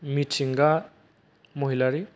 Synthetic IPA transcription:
mitsiŋɡa | moɦilaɾi

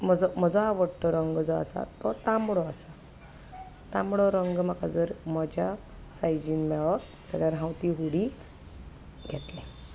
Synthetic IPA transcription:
m̤əd͡zɔm̤əd͡zɔaʋəɽʈɔɾəŋɡd͡zɔa̰sa̰t̪ɔt̪ambɽɔasa | t̪ãmɽɔɾəŋɡm̤akad͡zəɾməd͡ʑʱja | sajd͡ʑinmɛɭɔ | t͡səɡjaɾɦãwt̪iɦuɽi | ɡʱɛt̪lɛ̃

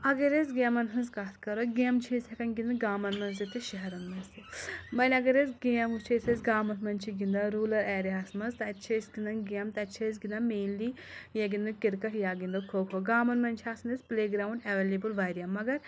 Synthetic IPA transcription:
ɐɡɐɾesɡemɐnɦɐnzkat̪ʰkɐɾoɡemt͡ʃʰesʲɐkɐnɡʲind̪ɐɡaːmɐnmɐnzɐt̪iʃɐɦɐɾɐnmɐnsimɐnʲɐɡɐɾesɡiɐmut͡ʃʰesɐsɡaːmɐnt̪ʰmɐnt͡ʃʰiɡind̪ɐɾuːlɐɾɛːɾiaːsmɐnzt̪ɐtːt͡ʃʰɐsɡind̪ɐnɡiɐmt̪ɐt͡ʃʰɐs̬ɡind̪ɐmeːnlijɐɡind̪ɐkiɾkɐʈʰjaːɡind̪ɐkʰoːkʰoɡaːmɐnmɐnt͡ʃʰiaːsnɐspleːɡɾaːwɳɖɐʋeːlʲebulʋaːjɾijɐmːɐɡɐɾ

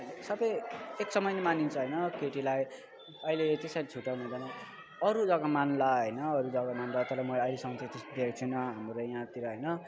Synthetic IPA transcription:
ɦʌnsʌbʌjeksʌmʌjnemanint͡sʰʌɦʌjnʌkeʈilaj | ʌilet̪esaɾit͡sʰuʈawnẽd̪ʌnʌ | ʌɾud͡zʌɡamanlaɦʌjnʌːɾud͡zʌɡamanlat̪ʌɾʌmʌʌjlesʌŋʌt͡sʰĩt̪esd̪ʱekt͡sʰunʌɦamɾojãt̪iɾʌɦʌjnʌ

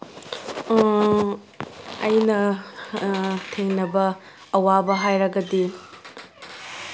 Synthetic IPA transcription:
ɐjnɐ | tʰeŋnɐbɐː | wabɐɦajɾɐɡɐdi

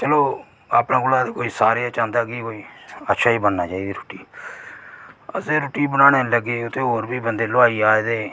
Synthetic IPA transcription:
t͡ʃəloː | aːpnaːɡʊlaːd̪ekoːiːsaːɾeaːt͡ʃãːnd̪aːɡiːkoːiːətːʃʰaːiːbənːaːt͡ʃaːiːd̪iːɾoːʈiː | əseːɾoːʈiːbənãːɽ̃eːləɡeːʊt̪ʰːeːɦoːɾbiːbənd̪eːloaːiːaːd̪eː

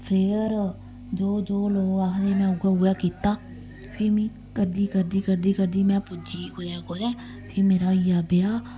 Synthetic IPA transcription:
pʰeːɾ | d͡ʒoːd͡ʒoːloːɡakʰd̪eːmɛ̃ːʊɡaːʊaːkiːt̪aː | pʰɪɾmĩː | kəɾd̪iːkəɾd̪iːkəɾd̪iːkəɾd̪iːmɛ̃ːpʊd͡ʒiːkod̪ɛ̃ːkoːd̪ɛ̃ː | pʰɪɾmeːɾaːɪjaːbejaː

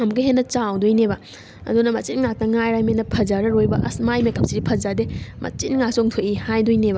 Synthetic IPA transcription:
ɐmɡɐɦenːɐt͡ʃawdojnebɐ | ɐ̰dunɐmɐt͡ʃitŋak̚tɐŋajɾajmenːɐpʰɐzaɾɐɾojbɐʔɐsmajmekap̚siɾipʰɐzademɐ̰t͡ʃinŋak̚soŋtʰoʔihajdojnebɐ

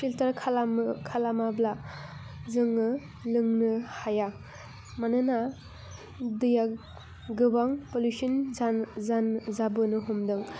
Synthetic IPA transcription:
filtaɾkʰalamkʰalamabla | zɯŋɯ | lɯŋnɯhaja | manɯna | dɯja | ɡɯbaŋpolusinzaanzabɯnɯɦumdɯŋ

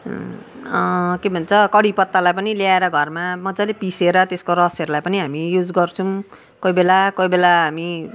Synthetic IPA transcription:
kebʱʌnt͡sʰʌkʌɽipʌt̪ːalajpʌniljaeɾʌɡʱʌrmamʌd͡zalepiseɾʌt̪eskoɾʌsʌɾulajpʌniɦamijud͡zɡʌrt͡sʰũ | koibelakʌibelaɦami

